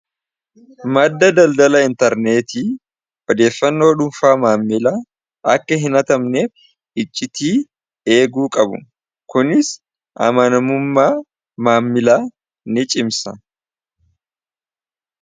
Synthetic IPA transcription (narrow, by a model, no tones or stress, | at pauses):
mɐd̪ːɐd̪ɐld̪ɐlɐɪnt̪ɐɾne̞ːt̪i | ʔɔd̪e̞ːfːɐnːoːᶑʊmfaːmaːmːɪlaː | ʔɐkːɐɦɪnɐt̪ɐmneː | ɪt͡ʃʼːɪt̪iː | e̞ːɡuːkʼɐbʊ̰ | kʊnɪs | ʔɐ̰mɐnɐmʊmːaː | maːmːɪlaː | nɪt͡ʃʼɪmsɐ